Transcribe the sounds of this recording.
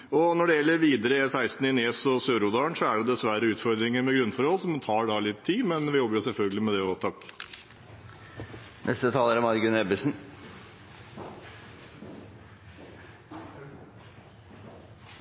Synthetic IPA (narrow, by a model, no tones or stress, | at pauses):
ɔnɔɖɛjɛlːəɾʋiːd̪əɾəsæɪst̪n̩ɪneːsɔsøːɾʊd̪ɑːɳsɔæɖɛd̪ɛsʋæɾəʉːt̪fɔɾd̪ɾɪŋəɾmɛɡɾʉnːfɔɾhɔlsɔmt̪ʰɑːɖɑlɪt̪ʰːiːmɛnʋɪjɔbːəjʊsɛlfœlɡəlɪmɛd̪ɛoːt̪ʰɑk | nʔɛ̰st̪ət̪ʰɑːləɾɔmɑɾɡʉnɛbəsn